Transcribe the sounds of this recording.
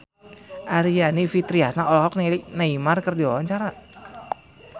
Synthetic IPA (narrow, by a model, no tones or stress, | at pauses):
ʔaɾianifit̪ɾiahnaɔlɔɦɔk̚nanaimarkərdiɔant͡ʃaɾa